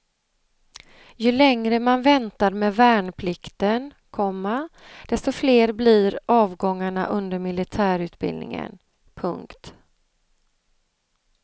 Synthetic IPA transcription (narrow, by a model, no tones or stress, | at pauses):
jɵlɛŋɾəmanvɛnt̪aɾmeːvæːɳpʰlɪkt̪ən | kʰɔmːa | d̪̥ɛst̪ɔfleːɾblɪɾɑːvɡɔŋːaɳa̰ʔɵnd̪əɾmɪlɪt̪ʰæːɾʉ̟ːt̪bɪ̰lnɪ̰ŋə̰n | pʰɵ̰ŋkt̪